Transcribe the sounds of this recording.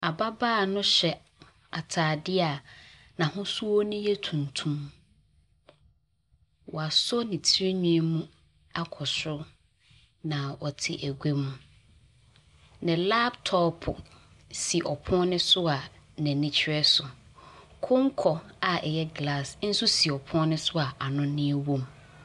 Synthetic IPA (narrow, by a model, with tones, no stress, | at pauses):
a˨ba˦baː˦˨nʊ̃˦ɕɛ˨ | a˨tʰaː˨dɪ˦a˨ | nã˨hʊ̃˦su˦wɔ˦nʊ̃˦jɛ˦tʰũ˨n˨tʰũ˦m | wɔ˨a˨sɔ˦nĩ˨tʰi˦ɾe˦ɲũ˦e˦mũ˦ | a˦kʰɔ˨sʊ˦ | nã˨wɔ˨tʰɪ̰˨ʔæ˨ɡʷe˦mũ˨ | nɪ̃˨la˦btʰɔ˦pʰʊ˨ | si˨ʔɔ˨pʰʊ̃˦nɪ̃˦sʊ˦a˨nɛ̃˨nɪ̃˦t͡ɕʰɪ˦ɾɛ˦sʊ˨kʰʊ̃˦ŋ̩˦kʰɔ˨a˨ɛ˨jɛ˦ɡla˦˨sn̩˦sʊ˦si˨ɔ˨pʰʊ̃˦nɪ̃˦sʊ˦a˨ʔa˨nʊ̃˦nɪ̃˦ɛ˦wõ˦m